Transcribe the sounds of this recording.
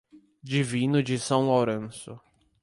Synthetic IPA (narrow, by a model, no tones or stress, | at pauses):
d͡ʒivĩnʊd͡ʒɪsɐ̃w̃lawɾẽsʊ